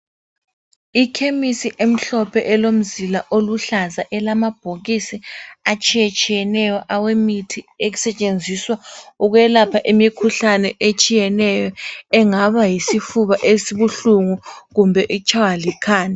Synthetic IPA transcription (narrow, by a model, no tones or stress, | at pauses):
ikʰemisiʔem̩ɬɔpʰɛʔɛlom̩zilaʔoluɬazaʔɛlamab̥ʱoɣisiat͡ʃʼijat͡ʃʼijɛnɛjɔʔawemitʰieɣusɛt͡ʃʼend͡zʱiswauɣwɛlapʰaʔemikʰuɬanɛʔet͡ʃʼijɛnɛjɔɛŋaβajisifuβaʔesiβuɬuŋuɣumbʱɛʔit͡ʃʰʼawalikʰaːnɛ